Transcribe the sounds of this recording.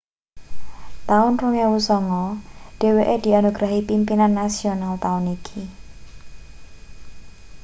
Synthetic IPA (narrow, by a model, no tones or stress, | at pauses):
t̪aʊnruŋewusɔŋɔɖ̥e̤weʔed̪̥i̤anuɡ̥ɾaɦipimpinanːasionalt̪aʊnikʰi